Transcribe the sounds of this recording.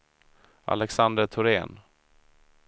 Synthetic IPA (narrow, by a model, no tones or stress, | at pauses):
a̰lɛksand̪əʈ̪ʰʊɾeːn